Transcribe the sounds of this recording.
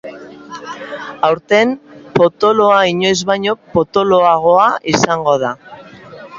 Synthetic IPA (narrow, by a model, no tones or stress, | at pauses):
awɾt̪e̞mpo̞t̪o̞lo̞aiɲo̞jzβajɲo̞po̞t̪o̞lo̞aɣ̞o̞aʔisaŋɡo̞ð̞a